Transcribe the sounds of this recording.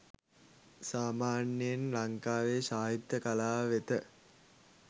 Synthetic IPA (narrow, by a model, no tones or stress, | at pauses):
saːmaːnjiənlaŋkaːʋeːʃaːɦit̪ːəkalaːʋet̪ə